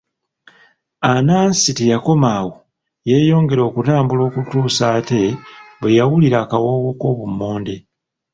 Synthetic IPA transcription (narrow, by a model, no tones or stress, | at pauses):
anaːnsitejako̞maːwo | je̞ːjo̞ːŋɡe̞ɾo̞ːkutaːmbulo̞ːkutuːsaːte̞βwejawuliɾaːkawoːwoko̞ːβumːoːnde̞